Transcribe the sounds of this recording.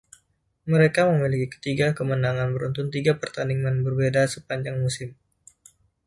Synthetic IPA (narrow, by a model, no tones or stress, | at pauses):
məɾekaməmilikikə̥t̪iɡakəmənaŋanbəɾunt̪ʊnt̪iɡapərt̪aniŋanbərbedasəpaɲd͡ʒaŋmusɪm